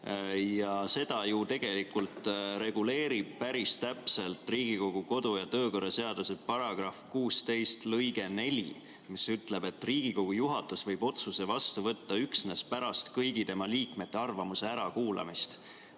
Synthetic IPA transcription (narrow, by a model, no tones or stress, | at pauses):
jɑse̞d̪̥ɑjut̪e̞ɡ̥e̞likːult̪ɾe̞ɡ̥ule̞ːɾib̥̚pæɾist̪æpse̞lt̪ˑriːɡ̥iko̞ɡ̥uko̞d̪̥ujɑt̪øːko̞rːɑse̞ɑd̪̥uset̪̚pɑɾɑɡ̥rɑfkuːst̪e̞jst̪lɤjɡe̞ne̞lʲḭ | misyt̪ˑle̞be̞t̪ːˑriːɡ̥iko̞ɡ̥ujuɦɑt̪ːˑusvɤjb̥o̞t̪suse̞vɑst̪uvɤt̪ːɑyksne̞spæɾɑst̪kɤjɡ̥it̪e̞mɑliːkme̞t̪ːe̞ɑrvɑmuse̞æɾɑkuːlɑ̰mist̪